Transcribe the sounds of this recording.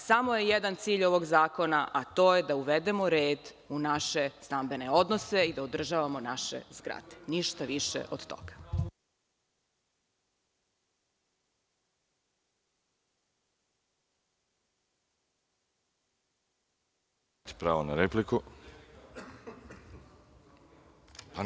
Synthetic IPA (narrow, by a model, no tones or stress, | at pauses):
samojejed̪ant̪siːʎo̞ʋo̞ɡzaːko̞naʔat̪o̞ːjed̪auʋed̪e̞mo̞ɾe̞ːd̪ | unaʃe̞st̪ambe̞ne̞o̞d̪nose̞id̪aod̪r̩ʒaːʋamo̞naʃḛzɡɾa̰d̪̥eniʃt̪aʋiʃḛʔod̪̥t̪o̰ɡ̥ḁ | t̪i̥pɾaːʋonaɾepliku | pa